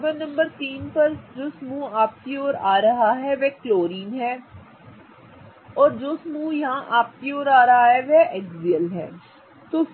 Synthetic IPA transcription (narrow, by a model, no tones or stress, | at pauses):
bənəmbəɾt̪iːnpəɾd͡ʒoːsmũːaːp̚t̪ioːɾaːɾəɦaːɦɛːʋɛːkloːɾiːnɦɛː | ɔːɾd͡ʒoːsəmũːjãːʔaːp̚t̪ioːɾaːɾəaːɦɛːʋɛːʔɛɡziːəlɦɛ̰ː | t̪ʊ